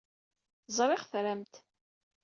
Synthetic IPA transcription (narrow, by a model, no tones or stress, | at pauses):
zˤɾˤɪʁθɾæmt̪